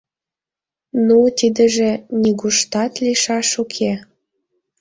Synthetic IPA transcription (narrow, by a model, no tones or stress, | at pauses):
nut̪id̪əʒenʲiɣuʃt̪ɑt̪liʃɑʃukʰe